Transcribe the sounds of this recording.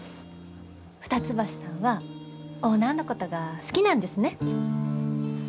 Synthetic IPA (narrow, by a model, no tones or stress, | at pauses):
ɸɯ̟̥t̪at͡sɨbaɕi̥sãɰ̃βa | onːano̞ko̞t̪o̞ɡasɨ̥kʲinãnd̪e̞sɨne̞